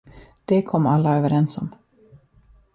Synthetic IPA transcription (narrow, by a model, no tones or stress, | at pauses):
d̪̥ɛkʰɔmːalːaøːvəɾɛnsɔm